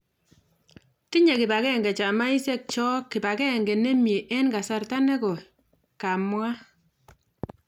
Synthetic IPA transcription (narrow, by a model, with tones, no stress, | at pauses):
ti˦ɲe˨kɪ˨ba˨kɛ˦˨ŋɡɛ˨t͡ʃa˨ma˦i˦sɛ˦k̚t͡ʃɔ˦kːi˨ba˨kɛ˦˨ŋɡɛ˨ne˦mje˨ʔɛ˦nka˨sa˨rta˦nɛ˦kɔ˨ | ka˨mwa˦